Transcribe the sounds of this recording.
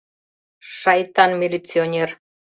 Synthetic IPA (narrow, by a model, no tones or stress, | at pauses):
ʃɑjt̪ɑnmʲilʲit͡sionʲer